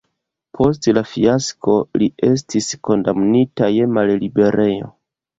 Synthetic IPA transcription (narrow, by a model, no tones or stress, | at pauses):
pʰo̞stlafiaskʰo̞lie̞s̬tisko̞ndamnitaje̞mallibe̞ɾʔe̞jo̞̰